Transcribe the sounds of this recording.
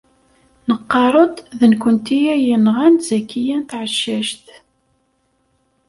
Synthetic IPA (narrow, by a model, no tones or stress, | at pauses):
nəqːɑɾˤod̪ˤðənkʷənt̪ijæjənʁænzækːijænt̪ʕəʃːæʃt̪